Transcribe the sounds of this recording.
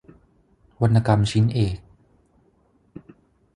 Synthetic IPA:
wa˧nːa˧ka˧mt͡ɕʰi˦˥nʔeː˨˩k̚

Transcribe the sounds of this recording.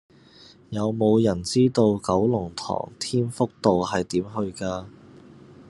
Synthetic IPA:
jɐ˨˧wmo˨˧wjɐ˨˩nt͡siː˥t̪o˧wkɐ˨˥wlʊ˨˩ŋt̪ʰɔ̰ː˨˩ŋt̪ʰiː˥nfʊ˥k̚t̪o˨whɐ˨jt̪iː˨˥mɦɵ˧ɥkaː˧

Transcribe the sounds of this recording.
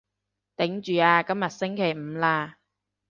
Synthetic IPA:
t̪ɪ˨˥ŋt͡ʃyː˨˧aː˧kɐ˥mjɐ˨t̚sɪ˥ŋkʰe˨˩jm̩˨˧laː˧

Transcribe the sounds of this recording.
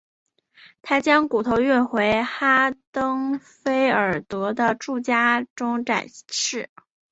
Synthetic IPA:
t̪ʰa˥t͡ɕjɑ˥ŋku˨˩t̪ʰo˧˥ʊy˥˩nxwe˧˥ɪxa˥t̪ɤ˥ŋ | fe˥ɪə˞˨˩t̪wɤ˧˥d̪ə˧ʈ͡ʂu˥˩t͡ɕja˥ʈ͡ʂʊ˥ŋʈ͡ʂa̰˨˩ɪʂɻ̩˥˩

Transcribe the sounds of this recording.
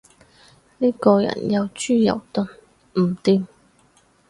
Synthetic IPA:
niː˥kɔː˧jɐ̰˨˩njɐ˨˧wt͡ʃyː˥jɐ̰˨˩wt̪ʊ˨˥n | m̩˨˩t̪iː˧m

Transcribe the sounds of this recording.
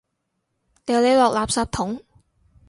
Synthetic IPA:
jɛː˨˧wle˨˧jlɔː˨k̚laː˨p̚saː˧p̚t̪ʰʊ˨˥ŋ

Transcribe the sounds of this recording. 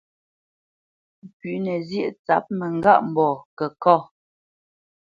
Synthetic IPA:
pʉ˨nɛ˨zjə˦˨ʔt͡sa˨˦p̚mɛ˨ŋ˦ɡa̰˦ʔm̩˨bɔː˨kɛ˨kɔ˦˨

